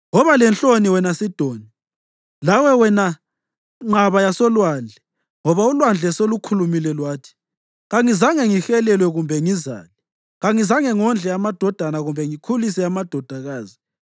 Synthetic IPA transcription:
ŋɔβalɛnt͡ɬʼoniwɛnasid̥ʱoːni | lawɛwɛna | ŋ͡ǁaβajasɔlwand͡ɮʱɛ | ŋɔβaulwand͡ɮʱɛsolukʰulumilɛlwaːtʰi̥ | ɣaŋizaŋɛŋixɛlɛlwɛɣumbʱɛŋiza̰ːli | ɣaŋizaŋɛŋɔnd͡ɮʱɛamad̥ʱɔd̥ʱanaɣumbʱɛŋikʰulis̬ɛamad̥ʱɔd̥ʱaɣaːzi

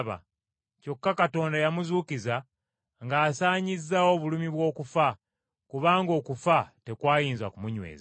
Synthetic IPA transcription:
βa̰ | co̞kːakato̞ːndajamuzuːkiza | ŋɡaːsaːɲizːawo̞βulumiβwo̞ːkufa | kuβaːŋɡo̞ːkufate̞kwaːjiːnzakumuɲwe̞̰ːza

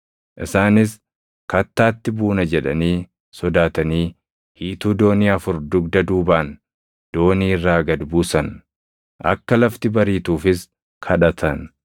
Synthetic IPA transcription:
ʔɪsaːnɪs | kɐt̪ːaːt̪ːɪbuːnɐd͡ʒɛᶑɐ̰niː | sɔd̪aːt̪ɐniː | hiːt̪uːd̪o̞ːniːɐfʊɾd̪ʊɡd̪ɐd̪uːbaːn | d̪̥o̞ːniːɪrːaːɡɐd̪buːsɐn | ʔɐ̰kːɐlɐft̪ɪbɐɾiːt̪uːfɪs | kʰɐᶑɐt̪ʰɐn

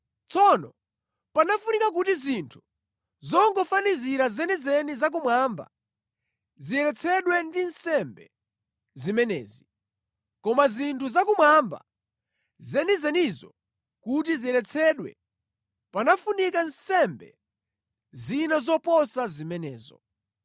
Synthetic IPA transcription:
t͡sɔnɔ | panafunikak̬utizintʰu̥ | zɔŋɡɔfaniziɾazɛnizɛnizak̬umwaːmba̰ | ziɛlɛt͡sʰɛɗwɛndinsɛmbɛ | zimɛnɛ̰ːzi | kɔmazintʰuzakumwamba̰ | zɛnizɛnizɔ̰ | kut̬iziɛlɛt͡sʰɛɗwɛ̰ | panafunikansɛmbɛ̰ | zinazɔpɔsazimɛnɛ̰ːzɔ̰

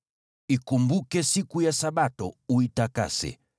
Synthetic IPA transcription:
ikumbukɛsikujasaɓatɔuitaka̰sɛ̰

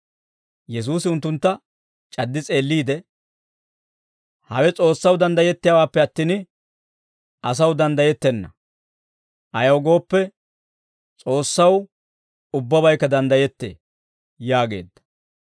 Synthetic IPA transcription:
jɛs̬uːsɪʊnt̪ːʊnt̪ːɐ | t͡ʃʼɐd̪ːɪt͡sʼe̞ːlːiːd̪ɛ | hɐwɛt͡sʼo̞ːsːɐwd̪ɐnd̪ɐjɛt̪ːɪjawaːpːɛɐt̪ːiːn | ɐs̬ɐwd̪ɐnd̪ɐjɛt̪ːɛnːɐ | ʔɐjɐwɡo̞ːpːɛ | t͡sʼo̞ːsːɐw | ʊbːɐbɐjkːɐd̪ɐnd̪ɐjɛt̪ːḛː | jaːɡe̞̰ːd̪ːɐ̥

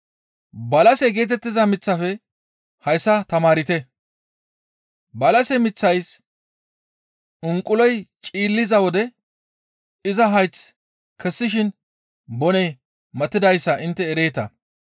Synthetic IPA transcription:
bɐlɐsɛɡe̞ːt̪̬ɛt̪ːɪzɐmɪt͡sːɐfɛ | hɐjsːɐt̪ɐmaːɾɪt̪ɛ | bɐlɐsɛmɪt͡sːɐjs | ʊŋkʼːʊlɔjt͡ʃʼiːlːɪzɐwɔd̪ɛ | ɪzɐɦɐjt͡s | kɛsːɪʃ̬ɪn | bɔnɛj | mɐt̪ːɪd̪ɐjsːɐʔɪnt̪ːɛːɾe̞ːt̪ɐ

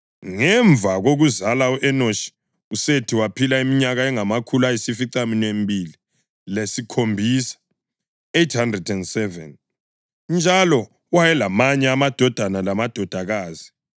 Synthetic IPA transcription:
ŋɛɱbvʱaɣoɣuzalauʔɛnoʃi̥ | usetʰiwapʰilaimiɲaɣaɛŋamakʰulajisifiǀaminiembʱili | lesikʰombʱisḁ | ejthandrɛdɛndsɛvɛ̰n | nd͡ʒʱalɔ | wajɛlamaɲɛamad̥ʱɔd̥ʱanalamad̥ʱɔd̥ʱaɣaːzi̥

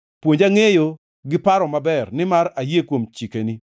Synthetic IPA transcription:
pwoɲd͡ʒaŋejo | ɡɪpaɾɔmabɛrnɪmaɾajekwomt͡ʃikeni

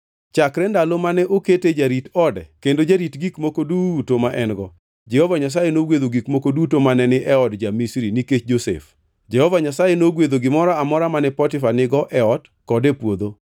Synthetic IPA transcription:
t͡ʃakɾɛndalomanɛʔoketed͡ʒaɾitɔdɛ̰kendod͡ʒaɾitɡikmokodutomaʔɛnɡɔ | d͡ʒɛhovaɲas̬ajenoɡwed̪oɡikmokodutomanɛnɪʔɛɔdd͡ʒamisɾiniket͡ʃd͡ʒosḛf | d͡ʒɛhɔvaɲasajenoɡwed̪oɡɪmɔɾaamɔɾamanɛpɔtɪfanɪɡɔʔɛɔd | kɔdepwod̪o

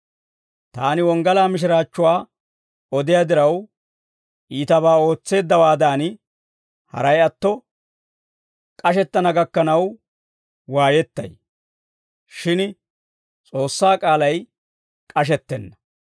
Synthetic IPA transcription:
t̪aːnɪwɔŋɡɐlaːmɪʃ̬ɪɾaːt͡ʃːʊwaː | ɔd̪ɪjad̪ɪɾɐw | ʔiːt̪ɐβaːo̞ːt͡sːe̞ːd̪ːɐwaːd̪aːn | hɐ̰ɾɐjɐt̪ːɔ | kʼɐʃɛt̪ːɐnɐɡɐkːɐnɐw | waːjɛt̪ːɐ̰j | ʃɪn | t͡sʼo̞ːsːaːkʼaːlɐj | kʼɐʃ̬ɛt̪ːɛnːɐ

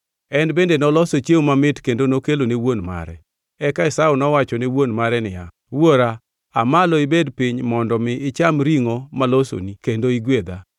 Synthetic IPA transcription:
ɛnbendenɔlɔsot͡ʃjewmamɪtkendonokelonewonma̰ɾɛ̰ | ɛkaɪsaʊnɔwat͡ʃɔnewonmaɾɛnɪ̰ja̰ | woɾa | amalɔɪbedpiɲmɔndɔmɪʔɪt͡ʃamɾiŋomaloso̰nikendoiɡwed̪a

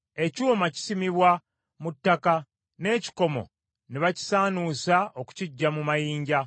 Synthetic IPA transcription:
e̞cuːmaci̥simiβwa | mutːaka | ne̞ːci̥ko̞mo̞̰ | niβaci̥saːnusaoku̥ciɟːamumajiːɲɟa

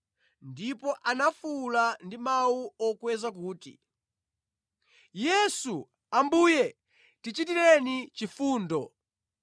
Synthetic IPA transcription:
ndipɔʔanafulandimauɔkwɛzakuːtḭ | jɛsu | ambuːjɛ | tit͡ʃitiɾɛnit͡ʃifuːndɔ

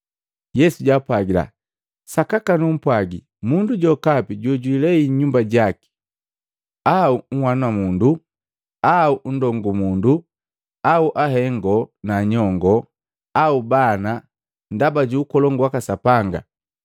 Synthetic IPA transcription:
jɛsuɟaːpwaɡila̰ | sakakanum̩pwaɡi | munduɟɔkapiɟɔɟwilɛiɲumbaɟaki̥ | auŋ̩wanwamundu | aun̩dɔŋɡumundu | auʔaɦɛŋɡɔnaɲɔŋɡɔ | aubana | ndabaɟuːkɔlɔŋɡwakasapaŋɡa̰

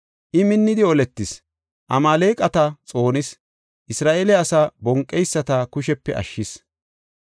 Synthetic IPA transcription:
ʔɪmɪnːɪd̪ɪɔlɛt̪ːɪs | ʔɐmaːleːkʼɐt̪ɐt͡sʼo̞ːnɪs | ʔɪsɾaːʔelɛɐsabɔŋkʼːɛjsːɐt̪ɐkʊʃɛpːɛʔɐ̰ʃːɪs

